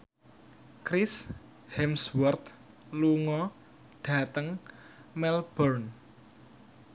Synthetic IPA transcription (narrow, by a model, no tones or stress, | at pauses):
kɾɪs | hɛmswɔrt̪ | luŋɔ | ɖ̥a̤t̪əŋmɛlb̥ɔrn